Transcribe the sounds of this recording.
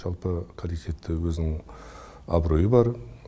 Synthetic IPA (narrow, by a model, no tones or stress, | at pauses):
ʒɑlˠpəkʰolit̪ʲʰe̞t̪ːɪwɵzɪnɪɪŋ | ɑ̰bɾo̞jəbɑɾ